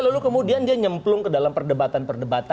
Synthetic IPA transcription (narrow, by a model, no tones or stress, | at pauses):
lalukəmudiandiaɲəmplʊŋkədalampərdəbat̪anpərdəbat̪